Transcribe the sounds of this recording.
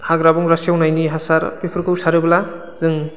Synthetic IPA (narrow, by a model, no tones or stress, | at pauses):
haɡɾabɔŋɾasijawnajniɦasaɾpepʰɯɾkʰɯwsaɾɯbla | z̥ɯŋ